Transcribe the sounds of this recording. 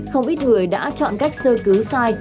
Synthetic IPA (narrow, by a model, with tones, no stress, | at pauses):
xə˧wŋ͡mɓi˦˥t̚ŋɨ˨˩əjɗa̰ː˧˥t͡ɕɔ̰˧˨nka˦˥jk̟̚səː˧kɨ˨˦wsaː˧j